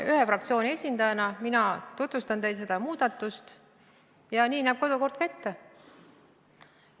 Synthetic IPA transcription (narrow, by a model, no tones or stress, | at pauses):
yɦefrɑkt̪sʲjo̞ːnʲie̞sʲind̪̥ɑjɑnɑminɑt̪ut̪vust̪ɑnt̪e̞jd̪se̞d̪̥ɑmuːd̪̥ɑt̪ːˑust̪ | jɑniːnæːb̥̚ko̞d̪̥uko̞rd̪̥kɑet̪ːe